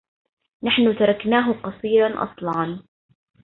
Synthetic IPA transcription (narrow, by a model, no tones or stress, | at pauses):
naħnʊt̪ɑɾˤɑknaːɦʊqɑsˤiːɾɑnʔɑ̰sˤlɑʕɑn